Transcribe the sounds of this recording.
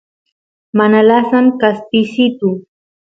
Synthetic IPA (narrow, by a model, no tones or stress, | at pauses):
manalasamkaspɪsɪt̪ʊ